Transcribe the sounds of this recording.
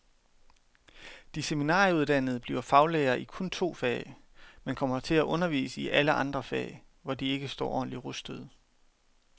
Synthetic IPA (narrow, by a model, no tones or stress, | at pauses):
d̥iseminɑ̰̈ːuð̞ˠd̥æn̰əð̩ˠb̥liːʊɐfɑ̈ʊleɪɐːʔikʰɔ̽nt͡sʰo̝̰ːfɛ̰ːɪ | menkʰɒ̽m̰ɐt͡sʰe̝læʔɔ̽nɐʋḭːsəiʔæləʔɑ̈nd̥ʁɐfɛ̰ːɪ | ʋɒd̥ie̝ɡ̥əsd̥ɒ̰ːʔɒ̰ːn̩liʁusd̥əð̩ˠ